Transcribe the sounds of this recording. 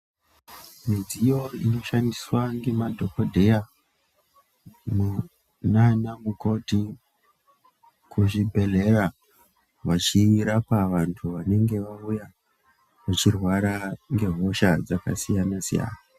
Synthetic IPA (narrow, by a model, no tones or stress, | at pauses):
mid͡zijo̞ino̞ʃandiswaŋɡe̞madʱo̞kodʱe̞ja | mu | nanamuko̞ti | kuʐibʱe̞le̞ra | ʋat͡ʃiiɾapaʋantʰuʋane̞ŋɡe̞ʋauja | meʐirwaɾaŋɡe̞ɦo̞ʃad͡zaka̰sijanasḭja̰ːna